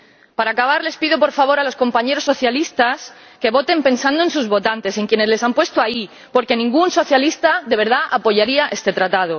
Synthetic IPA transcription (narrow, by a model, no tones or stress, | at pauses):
paɾakaβ̞aɾle̞spiðop̬o̞ɾfaβo̞ɾalo̞sko̞mpaɲe̞ɾo̞sːo̞θjalist̪as | ke̞βo̞t̪e̞mpe̞nsand̪oensuzβo̞t̪ant̪e̞se̞ŋkje̞ne̞zle̞sampwe̞st̪oai | po̞ɾke̞nĩŋɡunso̞θjalist̪aðe̞β̞e̞ɾð̞aʔapo̞ʝaɾiaʔe̞st̪e̞t̪ɾat̪að̞o̞